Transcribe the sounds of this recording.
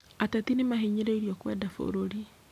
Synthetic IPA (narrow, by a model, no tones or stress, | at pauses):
atat̪inimaɦiɲiɾeiɾjɔkwɛdafo̰ɾoɾi